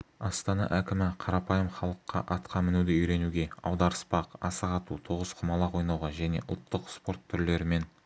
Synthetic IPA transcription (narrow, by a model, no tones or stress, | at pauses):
ɑst̪ɑnɑ̰ʔækʲɪmɪqʰɑɾɑpɑjəmχɑlˠəqːɑ̰ʔɑt̪qʰɑmɪnud̪ɪʏjɾe̞nuɡʲe̞ɑ̰wd̪ɑɾəspɑqɑ̰səʁɑt̪ut̪ʰoʁəsqʰʊmɑlˠɑqwo̞jnɑwʁɑʒæne̞̰ʔʊ̰lˠt̪ːəqspo̞ɾt̪ʰːʏɾle̞ɾɪme̞n